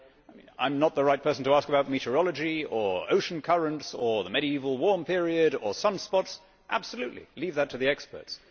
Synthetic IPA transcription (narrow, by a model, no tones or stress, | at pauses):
ɪmḭ̃nã̰ɪ̃mnət̪̚ðəɹaɪt̚pʰɜ˞sn̩tʰəæskəbaʊt̚miɾəɹɑlˠəd͡ʒiə˞o̰ʊʃn̩kʰʌɹə̃ntsə˞ðəmɛɾiivəl̩ˠwɔɹmpʰɪɹiɨɾə˞sʌ̃nspɑts | ʔæ̰b̥səlʉʔˡlḭlivðɨtʰɨðiɛkspə̰˞ts